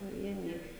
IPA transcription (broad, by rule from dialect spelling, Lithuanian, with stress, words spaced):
pɐˈʋʲiɛnʲɛɪ